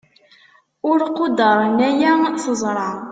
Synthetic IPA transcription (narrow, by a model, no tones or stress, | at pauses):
ʊɾqod̪əɾˤnæjæθəzˤɾˤɑ